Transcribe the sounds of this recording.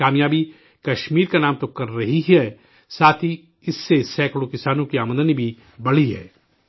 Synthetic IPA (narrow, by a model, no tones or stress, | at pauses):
aːmjaːbi | kɐʃmiːɾkanaːmt̪okɐɾːɐɦiɦɛ | saːt̪ʰi | ɪsːesɛːkɽokɪsaːnõkiaːmə̃nd̪ənibʱi | bɐɽ̤iɦɛ̰ː